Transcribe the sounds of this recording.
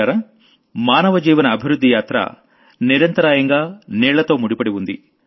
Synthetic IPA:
aɾɐ | maːnɐʋɐd͡ʒiːʋɐnɐːbʱiɾud̪ʱːijaːt̪ɾɐ̰ | niɾɐnt̪ɐɾaːjɐŋɡaːniːɭːɐt̪oːmuɽipɐɽiʋund̪ḭ

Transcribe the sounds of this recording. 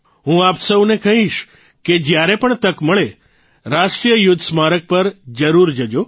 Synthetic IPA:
ɦũapsəwnekəɦĩʃ | ked͡ʒjaɾepəɳt̪əkməɭe | ɾaʃʈɾijəjʊd̪ʱsmaɾək̚pəɾd͡ʒəɾuɾd͡ʒəd͡ʒo

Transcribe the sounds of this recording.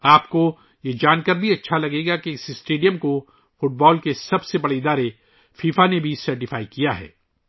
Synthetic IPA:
aːpko | jed͡ʒaːnkəɾbʱiɐtːʃʰalɐɡeːɡakeɪsɪsʈeːɖijəmko | fʊʈ̚bɔːlkesɐbsebɐɽeɪd̪aːɾe | fiːfanebʱisɐɾʈɪfaːikijaɦɛ̰ː

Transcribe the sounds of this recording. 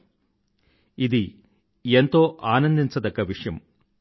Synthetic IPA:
iði | ent̪o̞ːʔaːnɐnd̪int͡sːɐðɐkːɐʋiʂjɐm

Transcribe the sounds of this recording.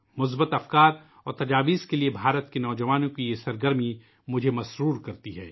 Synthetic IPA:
mʊs̬bət̪ɐfkaːɾ | ɔːɾt̪ɐd͡ʒaːʋiːzkeliebʱaːɾət̪kenɔːd͡ʒɐʋaːnõkijesɐɾɡəɾmi | mʊd͡ʒʱemɐʃɾuːɾkɐɾt̪iɦɛː

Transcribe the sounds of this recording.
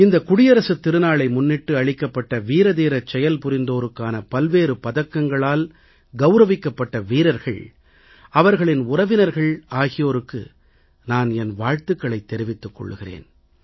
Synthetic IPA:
ɪnd̪ɐkʊɽɪjɐɾɐsɯt̪ːɪɾɯnaːɭɐɪmʊnːɪʈːɯɐɭɪkːɐpːɐʈːɐʋiːɾɐðiːɾɐt͡ʃːɛjɐlpʊɾɪnd̪oːɾɯkːaːnɐpɐlʋeːɾɯpɐðɐkːɐŋɡɐɭaːl | ɡɐʊɾɐʋɪkːɐpːɐʈːɐʋiːɾɐɾɣɐ̰ɭ | ɐʋɐɾɣɐɭɪnʊrɐʋɪnɐɾɣɐɭaːɣɪjoːɾɯkːɯ̰ | naːnɛnʋaːɻt̪ɯkːɐɭɐɪt̪ːɛɾɪʋɪt̪ːɯkːɔ̰ɭːɯɣɪrḛːn

